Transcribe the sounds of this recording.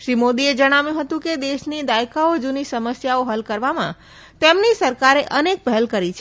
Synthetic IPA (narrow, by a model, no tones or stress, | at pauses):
ʃɾimod̪ied͡ʒəɽ̃aʋjũɦət̪ũked̪eʃnid̪ajkaod͡ʒunisəməsjaoɦəlkəɾʋamã̰ | t̪emnisəɾkaɾeʔənek̚pəɦɛlkəɾit͡ʃʰe